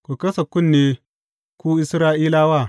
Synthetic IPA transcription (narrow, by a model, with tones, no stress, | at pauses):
kʷu˨kɐ˦sɐ˨kʷʊ˦˨nːeː˦ | kʷuː˦ʔɪ˦sɾaː˦ʔiː˦laː˦waː˦˨